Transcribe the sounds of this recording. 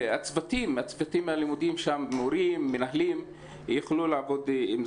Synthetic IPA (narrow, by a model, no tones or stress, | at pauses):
at͡svat̪imat͡svat̪imalimud̪imʃamːoɾimːenaɦlim | jeχlulaːvo̞d̪im